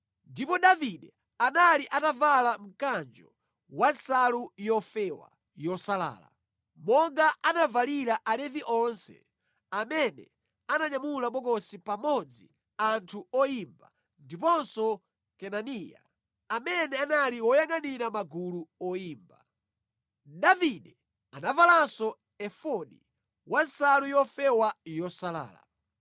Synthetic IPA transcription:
ndipɔɗaviɗɛ | analiʔatavalam̩kand͡ʒɔ | wansalujɔfɛwa̰ | jɔsala̰ːla̰ | mɔŋɡaʔanavaliɾaʔalɛviʔɔnsɛ̰ | amɛnɛ̰ | anaɲamulaɓɔkɔsipamɔd͡zi | antʰuɔjimba | ndipɔnsɔ | kɛnanija̰ | amɛnɛanaliwɔjaŋaniɾamaɡuluɔjiːmba | daviɗɛ | anavalasɔ | ɛfɔɗi | wansalujɔfɛwajɔsala̰ːla̰

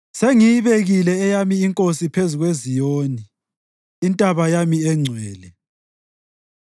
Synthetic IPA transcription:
seŋijiβeɣilɛːjamiiŋkʼosipʰezuɣwezijoːniː | ntʼaβajamiɛŋ͡ǀʱwɛːlɛ

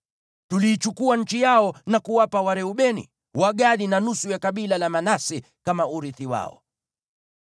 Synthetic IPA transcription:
tuliːt͡ʃukuaɲ̩t͡ʃijaɔnakuwapawaɾɛuɓɛnḭ | waɠaɗinanusujakaɓilalamanasɛ | kamauɾiθiwa̰ɔ̰

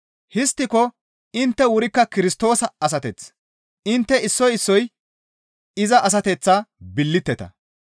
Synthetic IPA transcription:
hɪst̪ːɪkɔ | ɪnt̪ːɛwʊɾɪkːɐkɪɾɪst̪o̞ːsɐɐs̬ɐt̪ɛt͡s | ɪnt̪ːɛɪsːɔjɪsːɔj | ɪzɐʔɐs̬ɐt̪ɛt͡sːɐbɪlːɪt̪ːɛt̪ɐ̰

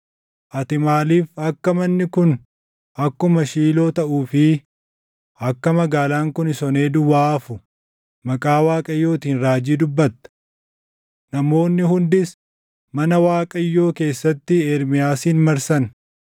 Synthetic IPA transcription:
ʔɐt̪ɪmaːliːfɐkːɐmɐnːɪkʊn | ɐkːʊmɐʃiːlo̞ːt̪ɐʔuːfɪ | ɐkːɐmɐɡaːlaːŋkʊnɪsɔne̞ːd̪ʊwaːfʊ | mɐkʼaːwaːkʼɐjːo̞ːt̪iːnɾaːd͡ʒiːd̪ʊbːɐt̪ːɐ̥ | nɐmo̞ːnːɪhʊnd̪ɪs | mɐnɐwaːkʼɐjːo̞ːke̞ːsːɐt̪ːɪɛɾmɪjaːsiːnmɐɾsɐn

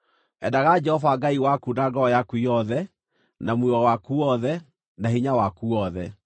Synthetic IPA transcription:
ɛ̰daɣad͡ʒɛhɔvaɡaiwakudaɡɔɔjakuijɔðɛ | namwewawakuɔðɛ | naɦiɲawakuɔðɛ

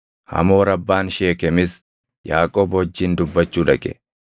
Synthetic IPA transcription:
hɐ̰mo̞ːɾɐbːaːnʃeːkɛmɪs | jaːkʼoːbɔd͡ʒːiːnd̪ʊbːɐt͡ʃːuːᶑɐkʼɛ̥̰

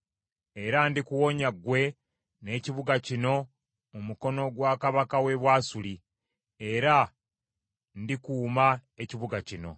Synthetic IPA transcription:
e̞ɾandikuwo̞ɲaɡwe̞ | ne̞ːciβuɡacino̞ | omuko̞no̞ɡwaːkaβakawe̞βwaːsuli | e̞ɾa | ndikuːmae̞ciβuɡacino̞̰

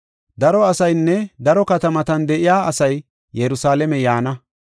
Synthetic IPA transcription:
d̪ɐɾɔɐsɐjnːɛd̪ɐɾɔkɐt̪ɐmɐt̪ɐnd̪ɛʔɪjaːɐsɐj | jɛɾʊsaːlɛmɛjaːnɐ

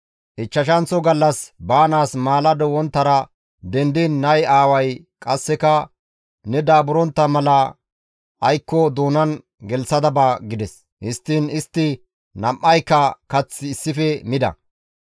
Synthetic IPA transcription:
ʔɪt͡ʃːɐʃ̬ɐnt͡sɔɡɐlːɐsbaːnaːsmaːlɐd̪ɔwɔnt̪ːɐɾɐ | d̪ɛnd̪inːɐjaːwɐj | kʼɐsːɛkɐ | nɛd̪aːbʊɾɔnt̪ːɐmɐlɐ | ʔɐjkːɔd̪uːnɐn | ɡɛlsɐd̪ɐbaːɡɪd̪ɛs | hɪst̪ːɪnɪst̪ːɪ | nɐmʔːɐjkːɐkɐt͡sːɪːsːɪfɛmɪd̪ɐ̰

